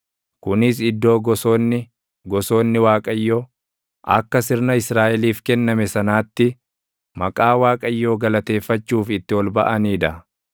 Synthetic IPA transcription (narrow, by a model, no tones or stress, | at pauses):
kʊnɪs̬ɪd̪ːo̞ːɡɔso̞ːnːɪ | ɡɔso̞ːnːɪwaːkʼɐjːoː | ʔɐ̰kːɐsɪɾnɐɪsɾaːʔɛliːfkɛnːɐmɛsɐnaːt̪ːɪ | mɐkʼaːwaːkʼɐjːo̞ːɡɐlɐt̪e̞ːfːɐt͡ʃːuːfɪt̪ːɪwɔlbɐ̰ʔɐniːᶑ̪ɐ